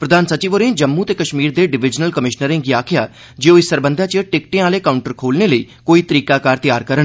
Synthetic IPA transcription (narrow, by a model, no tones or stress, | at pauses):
pɾəd̪ʱaːnsət͡ʃiːʋoːɾẽːd͡ʒəmːuːt̪eːkəʃmiːɾd̪eːɖɪʋɪd͡ʒnəlkəmɪʃnəɾẽːɡiaːkʰɪja̰ː | d͡ʒeːoːɪsəɾbə̃nd̪ʱãːt͡ʃəʈɪk̚ʈẽaːleːkaːʊɳʈəɾkʰoːlneːləḭː | koːiːt̪əɾiːkaːkaːɾt̪ɪjaːɾkəɾən